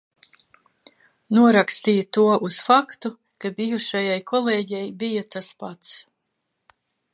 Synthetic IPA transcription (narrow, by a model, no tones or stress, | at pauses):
nuɔɾakst̪iːjat̪uɔʔusfakt̪u | kabijuʃajajkʰɔleːɟɛjbijat̪aspat̪s